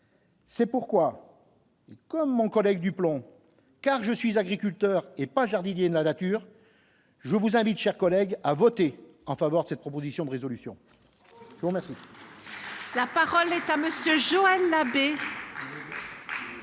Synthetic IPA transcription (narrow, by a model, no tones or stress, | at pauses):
sɛpuʁkwa | ekɔmːɔ̃kɔlɛɡ̚d̪yplɔ̃ | kaʁʒəsɥizaɡʁikʲylt̪œʁepaʒaʁd̪injed̪əlanat̪yːʁ | ʒəvuzɛ̃vit̪ʃɛʁkɔlɛɡavɔt̪e | ɑ̃favœʁd̪əsɛt̪̚pχɔpozisjɔ̃d̪əʁezɔlysjɔ̰̃ | ʒəvuʁmɛʁsi | lapaʁɔlɛt̪aməsjøʒoɛlːabe